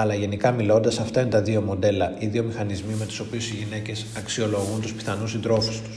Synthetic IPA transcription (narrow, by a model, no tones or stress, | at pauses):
ɐlɐʝe̞nikɐmilo̞nd̪ɐsɐft̪ɐinet̪ɐðio̞mo̞d̪e̞lɐiðio̞mixɐnizmime̞t̪u̥so̞piusiʝine̞ce̞sɐksio̞lo̞ɣunt̪uspi̥θɐnusind̪ɾo̞fist̪u̥s